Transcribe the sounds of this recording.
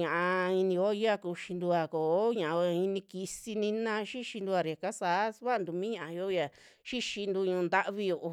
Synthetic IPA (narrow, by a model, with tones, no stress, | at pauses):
ɲã˨ʔa˧i˧nĩ˧jo˦˧ja˦ku˧ʃi˧nd̪u˧a˧koː˨˦ɲã˨ʔã˧i˧nĩ˧ki˧si˧nĩ˧nã˧ʃi˦ʃi˧nd̪u˧a˧˨ɾi˨a˨ka˦saː˨˦sβa˦˧nd̪u˨mĩː˦ɲã˨ã˧jo˦ja˨ | ʃi˦ʃi˧nd̪u˧ɲũ˧nd̪a˦ʔβi˧jo˧ʔo˧